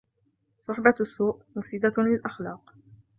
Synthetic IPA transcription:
sˤʊħbasˤːuːʔmʊfsɪd̪alɪlʔaxlɑːq

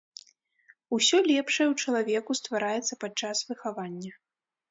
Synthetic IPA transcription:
usʲɔlʲɛpʂɐɛwt͡ʂɐlˠavʲɛkust̪vaɾajɛt̪sːɐpat͡ʂasvɨxavanʲːɐ

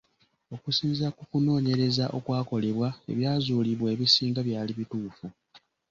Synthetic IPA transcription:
o̞kusiːnzakukuno̞ːɲe̞ɾe̞zaʔo̞kwaːko̞le̞βwae̞̰βjaːzuːliβwe̞ːβisiːŋɡaβjaːliβituːfu

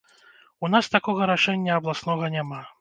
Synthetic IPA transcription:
un̪ast̪akɔɣɐɾaʂɛnʲːɐɐblˠasnɔɣɐnʲama

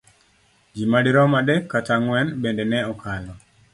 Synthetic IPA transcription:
d͡ʒimadiɾɔmadekːataŋwɛnbendɛnɛɔkʰalɔ

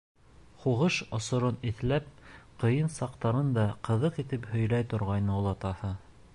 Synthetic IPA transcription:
χuʁɤʃŏsŏɾoniθlæp̚qɤ̆jɤnsɑqt̪ɑɾɤnd̪ɑqɤ̆ðɤqit̪ɘphɵ̆jlæjt̪ŏɾʁɑjnɤulˠɑt̪ɑhɤ

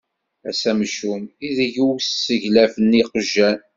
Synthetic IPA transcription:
æ̰sæmʃumiðʝuwssəʝlæfəniqəʒːæn

